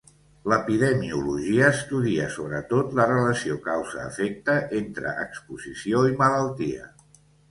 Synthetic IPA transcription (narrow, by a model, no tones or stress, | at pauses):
ləpiðəmiuluʒiəːst̪uðiəsoβ̞ɾət̪ot̪lərələsiokawzəːfek̚t̪əʔent̪ɾə̰ʔəkspuzisioimələlˠt̪iə̰